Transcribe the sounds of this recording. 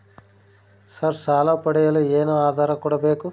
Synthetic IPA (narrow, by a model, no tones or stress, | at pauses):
sɐɾsaːlɐːpɐɽɛjɐlueːnoːaːd̪ʱaːɾɐkuːɽɐbeːku